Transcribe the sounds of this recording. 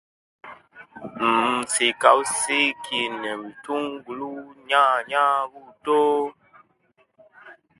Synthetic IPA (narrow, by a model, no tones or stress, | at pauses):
m̩sekawusekenɛ̃wituŋɡuluɲãɲãwuto